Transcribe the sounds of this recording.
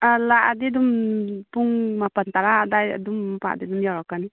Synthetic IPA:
alaʔd̪idumpuŋmapant̪aɾadaj̰dumpa̰ʔd̪idumjaɾakani

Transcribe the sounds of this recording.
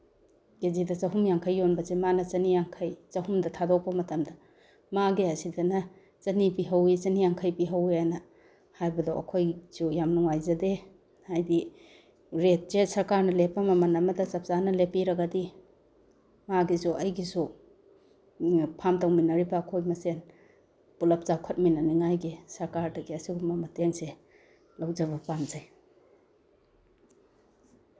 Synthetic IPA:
kezidɐt͡ʃɐɦumjaŋkʰɐjːonbɐzemanɐt͡ʃɐnijaŋkʰɐjt͡ʃɐhumdɐtʰadok̚pɐmɐtɐmdɐ | maɡiɐsidɐnɐ | t͡ʃɐnipiɦɐwit͡ʃɐnijaŋkʰɐjpiɦɐwijajnɐ | hajbɐdɔʔɐ̰kʰojz̥ujamnuŋajzɐde | hajdi | ɾet̚zesɐɾkaɾnɐlepːɐmɐmɐnɐmɐdɐt͡ʃɐp̚sanɐlepiɾɐɡɐdi | maɡizuʔɐjɡisu | pʰamtawminɐɾibɐːkʰojmɐsen | pulɐp̚t͡ʃawkʰɐt̚minɐniŋajɡisɐɾkaɾdɐɡiɐsiɡumɐmɐteŋse | lɐwzɐβɐpanzaj

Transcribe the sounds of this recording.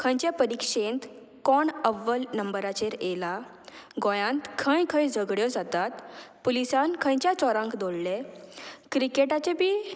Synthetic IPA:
kʰə̃jt͡ɕepəɾikʂent̪ | kɔɳəʋːəlnəmbəɾat͡ɕeɾela | ɡɔjãnt̪kʰə̃jkʰə̃jd͡zʱəɡɽjɔd͡zat̪at̪pulisankʰə̃jt͡ɕjat͡sɔɾãŋkd̪oɽle | kɾikeʈat͡ɕebiː

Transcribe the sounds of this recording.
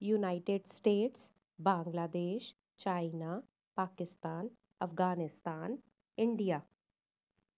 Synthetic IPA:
junaːɪʈeɖsʈeːʈs | bãːŋɡlaːd̪eːʃ | t͡ʃaːɪna | paːkɪst̪aːn | ɐfɡaːnɪst̪aːn | ɪɳɖijaː

